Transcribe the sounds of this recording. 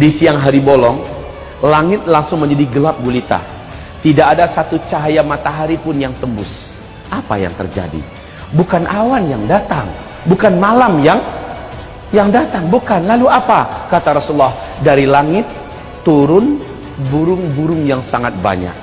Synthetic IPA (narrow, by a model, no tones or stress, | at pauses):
disiaŋɦaɾibolɔŋ | laŋɪt̪̚laŋsʊŋməɲd͡ʒadiɡəlap̚ɡulit̪a̰ | t̪idakːdasat̪ut͡ʃaɦajamat̪aɦaɾipʊnjaŋt̪əmbʊs | ʔapa̰ja̰ŋt̪ə̰rd͡ʒa̰dḭ | bukanʔawanjaŋdat̪aŋ | bukanmalamjaŋ | jaŋdat̪aŋbukanlaluapakat̪aɾɔsulːahdaɾilaŋɪt̪ː | uɾʊn | buɾʊŋbuɾʊŋjaŋsaŋat̪̚ba̰ɲa̰k̚